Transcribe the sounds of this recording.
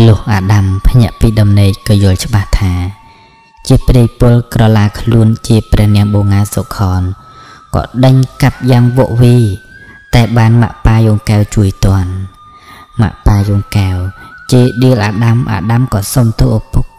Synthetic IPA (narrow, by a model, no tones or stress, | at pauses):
lʊ̆əhʔaːɗampʰɲɛ̆əʔpiːɗɑmneːc̚kɑːjʊ̆əlt͡ɕə̆ɓaht̪ʰaː | t͡ɕiəpriəjpʊlkrɑlaːkʰluənt͡ɕiəprɛ̆əhnɛ̆əŋɓoːŋaːsokʰɑːn | kɑ̰ːɗəɲkap̚jaːŋʋɔəʔʋiːt̪aɛɓaːnma̰ʔpaːjoːŋkaɛwt͡ɕuəjt̪ŏən | ma̰ʔpaːjoːŋkawt͡ɕiəɗiəlʔaːɗamʔa̰ːɗamkɑːsomt̪oːʔpok̚